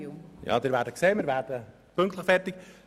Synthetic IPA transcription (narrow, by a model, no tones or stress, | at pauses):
jɑ̰dəɾʋaːtəkseːmərʋaːrtə | pɵŋktləχfɛrtik